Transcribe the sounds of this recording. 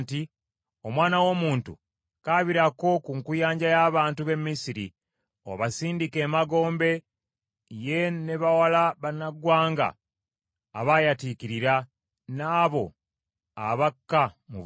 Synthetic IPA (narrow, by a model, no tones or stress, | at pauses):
ti | o̞mwaːnawo̞muːntṵ | kaːβiɾako̞kuŋkujaːɲɟajaːβaːntuβe̞mːisiɾḭ | o̞̰βasiːndike̞ːmaɡo̞ːmbe̞ | je̞neβawalaβanaɡwaːŋɡa̰ː | βajatiːkiɾiɾa | naːβo̞̰ | a̰βakːamṵβ